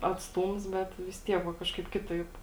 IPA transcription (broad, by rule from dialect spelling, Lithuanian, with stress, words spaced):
ɐtsˈtuːms ˈbʲɛt ʋʲɪs ˈtʲiɛk ʋɐ ˈkɑːʃkɐɪp ˈkʲɪtɐɪp